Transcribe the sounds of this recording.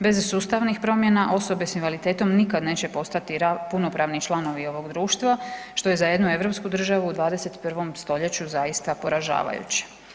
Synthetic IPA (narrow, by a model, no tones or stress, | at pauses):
be̞zsuːst̪aʋnixpɾo̞mje̞naʔo̞so̞be̞sinʋalit̪e̞ːt̪o̞mnikad̪ne̞ːt͡ɕe̞po̞st̪at̪iɾapuno̞pɾaʋnit͡ʃlˠano̞ʋio̞ʋo̞ɡd̪ɾuːʃt̪ʋaʃt̪o̞je̞zaje̞d̪nue̞ʋɾo̞pskud̪r̩ʒaʋuːd̪ʋaːd̪e̞se̞t̪pr̩ʋo̞mst̪o̞ʎe̞t͡ɕuzajist̪apo̞ɾaʒa̰ːʋa̰jṵt͡ɕe̥